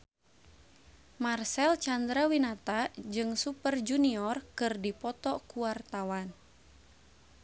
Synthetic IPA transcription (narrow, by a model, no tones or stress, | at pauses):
marsɛlt͡ʃand̪ɾawinat̪ad͡ʒɨŋsupərd͡ʒuniɔrkɨrdipɔt̪ɔkuwart̪awan